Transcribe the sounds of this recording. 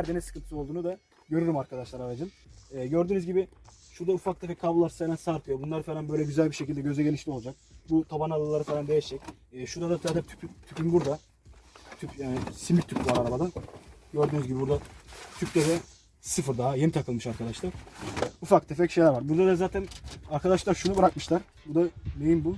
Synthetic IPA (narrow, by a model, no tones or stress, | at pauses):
æɾd̪enɛsɯ̥kʰɯnt̪ɯ̥sɯolˠd̪uːnud̪a | ɟø̞ɾyɾymaɾkʰad̪aʃlˠaɾaɾad͡ʒɯn | ɛːɟø̞ɾd̪yːnyzɟibɪ | ʃuɾd̪aufak̚t̪ʰefɛckʰːabulˠaɾsanansaɾkʰɯjobunlˠaɾɯfelʲanbøjlʲɛɟyzælʲbiʃecilʲd̪ɛɟø̞zɛɟe̞niʃlʲio̞lˠd͡ʒak̚but̪ʰabanalˠalˠaɾɯfeland̪ejɛʃɛcː | ʃuɾd̪ad̪at̪ʰad̪ɛt̪ʰy̥pʰyt̪ʰypʰynbuɾd̪a | t̪ʰypjaːnɪsimit̪ʰypvaɾaɾabad̪aɟøɾd̪yːnyzɟibibuɾd̪at̪ʰyc̚ʲt̪ʰefɛ | sɯfɯɾd̪aɦajemit̪ʰakɯlˠmɯʃaɾkʰad̪aʃlˠaɾ̥ufak̚t̪ʰefɛcʃejlʲæɾvaɾbuɾd̪ad̪azaːt̪ʰænaɾkʰad̪aʃlˠaɾʃunubɯɾakmɯʃlˠaɾ | bud̪amejimbu